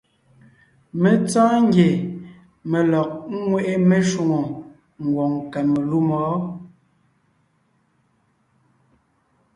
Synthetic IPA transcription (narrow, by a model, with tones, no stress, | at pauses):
me˨t͡sãː˦ŋ˦ɡje˨ | me˨lɔ˨k̚ŋwe˦˨ʔe˦me˦ʃu˨ŋo˨ | ŋ̩˨ɡwɔ˨ŋka˨me˨lu˦mɔː˨˦